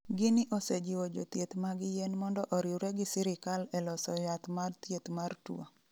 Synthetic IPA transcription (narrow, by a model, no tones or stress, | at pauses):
ɡɪnɪʔosed͡ʒɪwod͡ʒot̪jet̪maɡɪjenmɔndɔʔɔɾɪuɾɛɡɪsɪɾɪkalɛlɔsɔjat̪mart̪jet̪martuo̰